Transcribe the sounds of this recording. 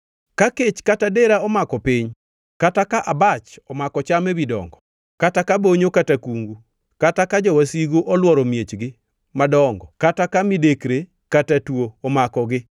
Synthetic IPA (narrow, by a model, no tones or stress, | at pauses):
kaket͡ʃkatadeɾaɔmakɔpɪɲ | katakaʔabat͡ʃɔmakɔt͡ʃamebidɔ̰ŋɡɔ | katakaboɲokatakuŋɡu | katakad͡ʒɔwasiɡoʔɔlwɔɾɔmjet͡ʃɡɪ | madɔŋɡɔkatakamidekɾe | katatwoːmakɔɡɪ